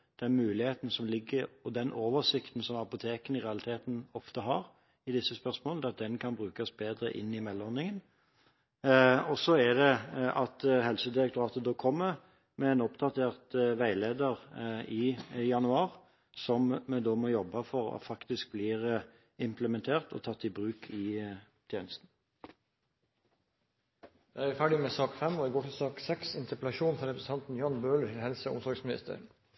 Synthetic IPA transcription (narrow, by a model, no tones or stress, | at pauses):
d̪̥ɛnmʉːlɪheːt̪n̩sɔmlɪɡːəɾɔd̪ɛnʔoːʋəsɪkt̪n̩sɔmɑpʊt̪ʰeːkənɪʁɛɑlɪt̪ʰeːt̪n̩ɔft̪əɦɑʁ | ɪd̪ɪsːəspœʁsmoːlnɛɑt̪̚d̪ɛnkʰɑnbʁʉːkɑsbeːd̪ɾə̰ʔɪ̰nːɪmɛlːɔɾnɪŋən | ɔsɔɛd̪ɛʔɑt̪ɦɛlsəd̪ɪɾək̚t̪ʊɾɑːt̪əd̪oːkʰɔmːə | mɛɛnɔpt̪ʰɑt̪ʰeːʁt̪ʋæɪleːd̪əʁijɑnʉɑːʁ | sɔmmɛd̪oːmɔjɔbːɑfɔʁɑ̰t̪fɑkt̪ɪsk̚bliːʁə | ɪmpləmɛnt̪ʰeːʁt̪ʰɔ̰t̪ʰɑt̪ːɪbʁʉːkʰɪ | t̪ʰjeːnəst̪n̩ | jæɪæɾfæːɖɪmɛːsɑːkfɛmɔɪɡoːʈʰɪsɑːksɛksɪnt̪əplɑʃuːnfɔɾɛpɾəsənt̪ʰɑnt̪n̩jɑːnbøːləʈʰɪlhɛlsəʊ̰msɔɾɡsmɪnɪ̰st̪ə̰ɾ